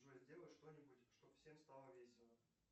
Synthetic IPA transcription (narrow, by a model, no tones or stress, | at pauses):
ʐəzʲdʲe̞lˠəʂt̪o̞nʲɪbʊtʲʂt̪o̞bfsʲe̞mst̪alˠəvʲesʲɪnə